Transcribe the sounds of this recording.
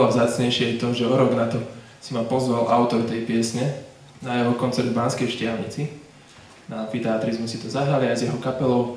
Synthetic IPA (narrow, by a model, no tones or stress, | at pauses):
lɔvzaːt͡sɲɛjʃɪɛjt̪ɔmʒɛɔɾɔɡnat̪ɔ | simapɔzʋalʔaʊt̪ɔɾt̪ɛjpɪɛsɲɛ | najɛɦɔkɔnt͡sɛɾd̪baːnskɛjʃcɪalɲḭt͡si | naamfit̪ɛaːt̪ɾizmusit̪ɔzaɦɾaliajzjɛɦɔkapɛlɔʊ